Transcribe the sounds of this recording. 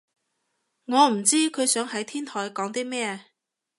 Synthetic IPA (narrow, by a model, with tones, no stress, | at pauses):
ŋɔː˨˧m̩˨˩t͡siː˥kʰɵ˨˧jsœː˨˥ŋhɐ˨˥jt̪ʰiː˥nt̪ʰɔː˨˩jkɔː˨˥ŋt̪iː˥mɛː˥